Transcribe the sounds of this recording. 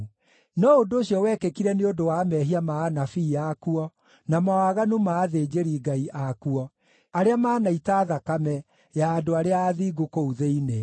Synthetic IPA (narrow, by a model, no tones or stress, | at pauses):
nɔodoːɕiɔwɛkekiɾɛneodowamɛɦiamaːnafiːjakuɔ | namawaɣanumaːðed͡ʑeɾiɡaiʔakuɔ | aɾeamaːnaitaːðakamɛ | jaːdoaɾeaːðiːɡokouðeine